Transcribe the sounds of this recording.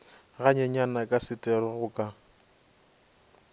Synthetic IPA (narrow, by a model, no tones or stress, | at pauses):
ɣaɲɛɲanakʼasɪtʼɛrwaɣʊkʼa